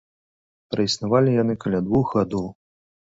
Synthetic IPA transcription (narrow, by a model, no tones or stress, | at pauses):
pɾɐisnavalʲijan̪ɨkɐlʲad̪vuxɣad̪ɔw